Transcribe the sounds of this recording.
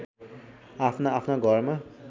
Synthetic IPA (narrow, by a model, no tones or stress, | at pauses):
apʰnaːpʰnaɡʱʌrma